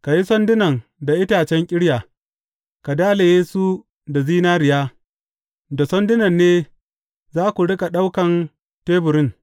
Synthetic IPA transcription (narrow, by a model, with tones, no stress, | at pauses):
ka˨ji˦sɔ˦ndɪ˦nɐ˨ŋda˨ʔɪ˦taː˨t͡ʃɛ˦ŋkʲʼɪ˦ɽjaː˨ | ka˨daː˦le˨jeː˦su˦ | da˨ziː˦naː˦ɾɪ˨jaː˦ | da˨sɔ˦ndɪ˦nɐ˨nːeː˦ | zaː˦kʷu˨ɽɪ˦kʼa˨ɗa˦wkɐ˨n | teː˦bʊ˨ɾɪ˦ŋ